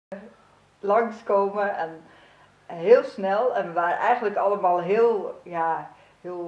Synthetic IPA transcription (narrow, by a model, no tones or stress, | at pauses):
lɑŋskoːməɛn | ɦeəlˠsnɛlˠɛnʋarɛjɣəndləkɑləmaːlˠɦɪəlˠja | hɪəl